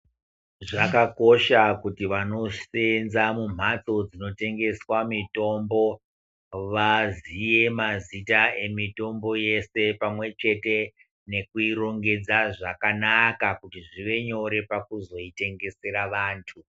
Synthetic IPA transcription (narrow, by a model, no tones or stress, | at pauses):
ʐakako̞ʃakutiʋano̞senzamum̤at͡so̞d͡zino̞te̞ŋɡe̞swamito̞mbo̞ | ʋazije̞mazitae̞mito̞mbo̞je̞se̞pamwe̞t͡ʃe̞te̞ | ne̞kuiro̞ŋɡe̞d͡zaʐakanakakutiʐiʋe̞ɲo̞ɾe̞pakuzo̞ite̞ŋɡe̞se̞ɾaʋaːntʰu